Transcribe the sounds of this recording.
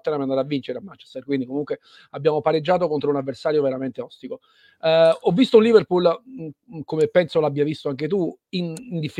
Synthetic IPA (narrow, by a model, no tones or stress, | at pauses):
t̪ːenampiand̪aɾavːint͡ʃeɾeamːant͡ʃe̥st̪ɛrkwind̪ikomuŋkwe | abːjaːmopaɾed͡ʒːaːt̪okont̪ɾounavːersaːɾjoveɾament̪eɔst̪iko | ɔvːist̪ounliverpul | komepːɛnsolabːjiavist̪oaŋk̟et̪uinnd̪ifː